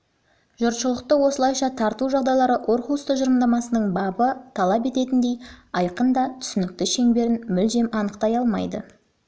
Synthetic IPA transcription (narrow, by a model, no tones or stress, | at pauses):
ʒʊɾt̪ʃəlˠəq̚t̪əwo̞səlˠɑjʃɑt̪ʰɑɾt̪uʒɑʁd̪ɑjlˠɑɾəʔo̞ɾχust̪əʒəɾəmd̪ɑmɑsənəɴbɑbət̪ʰɑlˠɑpe̞t̪e̞t̪ɪnd̪e̞jɑjqənd̪ɑt̪ʰʏ̥sɪnɪk̚t̪ɪʃe̞ŋbe̞ɾɪnmʏlʒe̞mɑnəqt̪ɑjɑlˠmɑ̰jd̪ə̰